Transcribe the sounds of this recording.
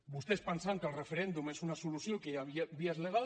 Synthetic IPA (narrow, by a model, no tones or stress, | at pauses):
bust̪espənsaŋkəlˠrəfeɾend̪umesunasulusjokejaβiazleɣ̞a